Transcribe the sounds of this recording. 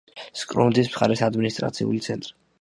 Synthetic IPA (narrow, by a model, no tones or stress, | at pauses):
skʼɾund̪ismχa̰ɾɛsad̪minist̪ʼɾa̰t̪sʰḭṵlit̪sʰɛnt̪ʼɾi